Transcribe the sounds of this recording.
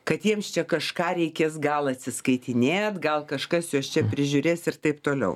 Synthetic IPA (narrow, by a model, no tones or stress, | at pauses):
kɐt̪jiɛmst͡ʃʲɛkɐʃkɑːɾʲɛɪkʲeːsɡɐlˠɐt̪ʲsʲɪskɐɪt̪ʲɪnʲeːt̪ɡɐlˠkɐʃkɐsjoːst͡ʃʲɛpʲɾʲɪʒʲʊːɾʲeːsɪrt̪ɐɪpt̪oːlʲɛ̰ʊ